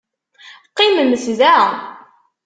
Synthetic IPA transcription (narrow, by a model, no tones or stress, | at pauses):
qːiməməsðæ